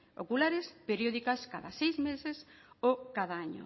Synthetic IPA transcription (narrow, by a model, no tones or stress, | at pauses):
o̰kulaɾɪspeɾjoðikaskaðasejzmesesokaðaaɲo̰